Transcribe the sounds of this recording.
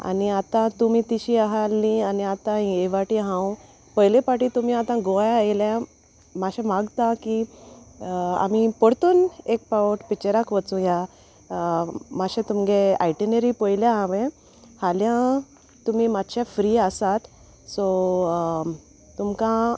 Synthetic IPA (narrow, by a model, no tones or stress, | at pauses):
a̰niat̪ãt̪umit̪iɕiaɦalːianiat̪ãĩeʋaʈiɦãũ | pəjlepaʈit̪um̤iat̪ãɡojaejljã | maɕãmaɡt̪ãki | a̰m̤ipəɽt̪uːnek̚paʋəʈpit͡ɕeɾakʋət͡sũja | maɕẽt̪umɡeajʈineɾipəjljãːʋẽ | haljã | t̪um̤imad̪ɕafɾiasat̪ | sɔ | t̪umkã